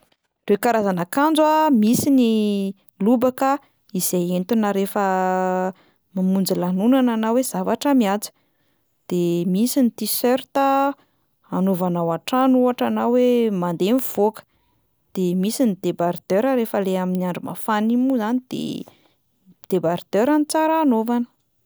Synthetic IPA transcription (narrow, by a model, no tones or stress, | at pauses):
rewkaɾazanakand͡zamisini | lubakə | iz̥ejent̪unəɾefə | mamund͡zilanunananawez̥avaʈ͡ʂəmiat͡si̥ | d̪̥emisinit̪isøɾt̪ə | anovanawaʈ͡ʂanuaʈ͡ʂanawemand̪emiv̥okə̥ | d̪̥emisinid̪̥ebaɾd̪̥øɾəɾefəleaminiaɳɖ͡ʐuma̰fanimuzanid̪̥ḛ | d̪̥ebaɾd̪̥øɾanit͡saɾaːnovanə̥